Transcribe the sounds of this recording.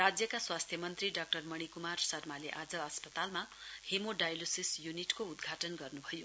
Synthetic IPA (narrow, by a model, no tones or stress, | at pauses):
rad͡zjʌkaswast̪ʰjʌmʌnt̪riɖʌk̚ʈʌrmʌɽ̃ikumarsʌrmaleʔad͡zʌʌspʌt̪almahemoɖajlosisjuniʈkoud̪ɡʱaʈʌnɡʌrnubʱʌjo